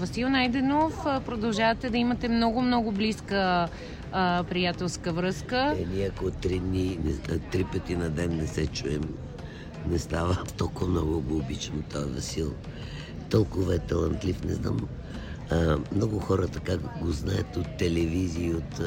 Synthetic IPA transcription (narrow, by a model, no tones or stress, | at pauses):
vɐsilˠnajd̪ɛnofpɾod̪ɐlˠʒavɐt̪ɛd̪ɐimɐt̪ɛmnɔɡʊmnɔɡʊbliskə | pɾijat̪ɛlˠskəvɾɤskəɛnʲiɐkot̪ːɾid̪ninɛt̪ːɾipət̪inɐd̪ɛnːɛsɛt͡ʃuɛm | nɛst̪avət̪ɔlˠkʊvɐmnɔɡʊɡoːbit͡ʃnot̪ɔjvɐ̰silˠ | t̪ɔlˠkʊvɐɛt̪ɐlˠɐnt̪lifnɛ̰zna̰m | mnɔɡʊxɔɾət̪ɐkaɡoznaət̪ot̪ːɛlɛviziːot̪